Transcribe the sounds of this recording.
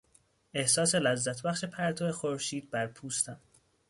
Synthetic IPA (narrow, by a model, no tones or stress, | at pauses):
e̞hsɒːse̞læzːæt̪ʰbæxʃe̞pʰæɾt̪ʰoexo̞ɾʃiːd̪̚bæɾpʰuːst̪ʰæm